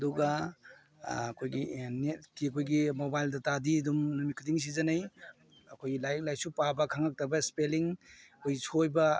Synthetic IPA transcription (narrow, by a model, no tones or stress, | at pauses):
ɐduɡɐ | kʰojɡinet̚kiɐkʰojɡimobajldɐtadiɐdumnumikʰudiŋs̬izɐnɐj | ɐkʰojɡilajk̚laj̚supabɐkʰaŋak̚tɐbɐspeliŋkʰojɡisojbɐ